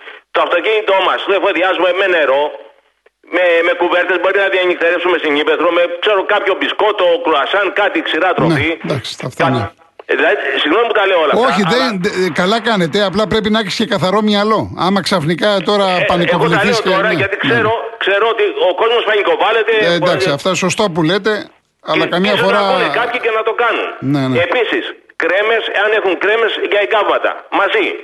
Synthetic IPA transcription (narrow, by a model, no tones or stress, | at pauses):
t̪oɐft̪o̞ciɲit̪o̞mɐst̪oefo̞ðiɐzume̞me̞ne̞ɾo̞ | meme̞kuve̞ɾt̪e̞zbo̞ɾinɐðiɐɲikt̪eɾefsume̞siɲipeθɾomekse̞ɾokɐpço̞bisko̞t̪o̞kɾoɐsɐnkɐt̪iksiɾɐt̪ɾonefid̪ɐksi̥t̪ɐft̪ne | ðilɐðisiɣno̞niput̪ɐleoolɐoçiðenkɐlɐkɐne̞t̪e̞ɐplɐpɾe̞pinɐɐçi̥sce̞kɐθɐɾo̞mɲɐlo̞ɐmɐksɐfnikɐt̪o̞ɾɐpɐnikoliθiseoɾɐneʝɐt̪ikseɾo̞kse̞ɾoot̪ioko̞zmosfɐɲikovɐle̞t̪eed̪ɐksiɐft̪ɐso̞st̪op̬ule̞t̪e̞ | ɐlɐkɐmɲɐsfo̞ɾɐlikɐpçice̞nɐt̪o̞kɐnṵnnenepisiskɾe̞me̞seɐnexuŋkɾe̞me̞sʝɐeɡɐvmɐt̪ɐ̰mɐzi